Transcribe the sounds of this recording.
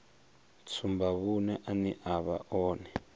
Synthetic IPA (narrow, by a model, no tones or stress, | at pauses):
t͡sʰumbaβunɛʔaniʔaβa̰ʔɔːnɛ